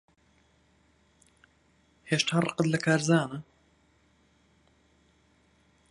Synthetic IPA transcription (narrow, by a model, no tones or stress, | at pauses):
heːʃt̪ʰaːrə̰qəd̪lɐkʰaːɾzaːnɨ